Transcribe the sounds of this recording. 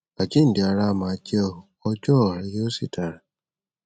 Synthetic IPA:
a˨d͡ʒi˦n̩˨di˨˧a˧ɾa˧˦˧mã˨˧d͡ʒɛ˦ɔ˧ɔ˧d͡ʒɔ˦˨ɾɛ˧˦jo˦si˦˨tʰa˨ɾa˨

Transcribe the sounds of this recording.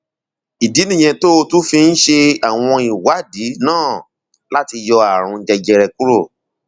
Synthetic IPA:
i˨di˨˦nĩ˦˨j̃ɛ̃˧to˦o˧tu˦fi˧n̩˦ʃe˧a˨w̃ɔ̃˧i˨wa˨˦di˨˦nãː˦˨ | la˦ti˧jɔ˧a˨ɾ̃ũ˧d͡ʒɛ˧d͡ʒɛ˧ɾɛ˧ku˦ɾo˦˨

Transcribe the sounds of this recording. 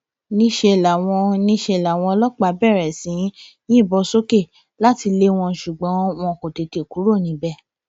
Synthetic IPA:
nĩ˧˦ʃe˧˨la˨w̃ɔ̃˧nĩ˧˦ʃe˧˨la˨w̃ɔ̃˧lɔ˦k͡pa˧˦bɛ˦˨ɾɛ˨sĩ˨˦ | jĩ˦˨bɔ˧so˦ke˦˨ | la˦ti˧le˦w̃ɔ̃˧ʃu˨ɡ͡bɔ̃˨˦w̃ɔ̃˧˦˨ko˨te˨˧te˨ku˨˦ɾo˦˨nĩ˧˦bɛ˦˨

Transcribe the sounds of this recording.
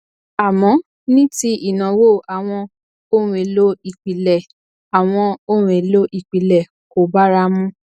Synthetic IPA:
a˨mɔ̃˨˦ | nĩ˦ti˦i˦˨nã˨wo˦˨a˨w̃ɔ̃˧ | o˦ɾ̃ũ˧˦e˨lo˦i˨k͡pi˨lɛ˨ | a˨w̃ɔ̃˧o˦ɾ̃ũ˨e˨lo˦ʔi˨k͡pi˨lɛ˨ | ko˨ba˦ɾa˦mũ˦

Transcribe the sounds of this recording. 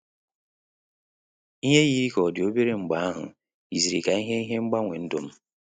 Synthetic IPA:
i˦ɦe˦ji˦ɾi˦kɔ˨dɪ˨o˦be˦ɾe˦ŋ͡m̩˨ɡ͡ba˨˦a˦ɦʊ̰˨ | i˨zi˨ɾi˨ka˨i˦ɦe˦i˦ɦe˦ŋ͡m̩˦ɡ͡ba˦ŋʷe˨n̩˦do̰˦m̩˦

